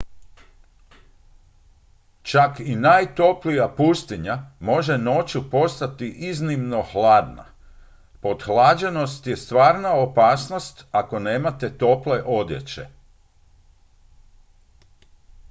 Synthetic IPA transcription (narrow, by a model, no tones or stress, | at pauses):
t͡ʃakinajt̪o̞plijapust̪iɲamo̞ʒe̞no̞t͡ɕupo̞st̪at̪iʔiznimno̞xlˠaːd̪na̰ | po̞d̪xlˠaːd͡ʑe̞no̞st̪je̞st̪ʋaːɾnaopaːsno̞st̪ako̞ne̞ːmat̪e̞t̪o̞ple̞ʔo̞d̪je̞̰t͡ɕe̞̰